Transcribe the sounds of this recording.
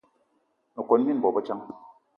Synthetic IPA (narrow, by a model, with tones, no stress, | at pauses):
no˨ko˨n˦i˦n˨bɔ˨bɔ˦t͡ʃa˦ŋ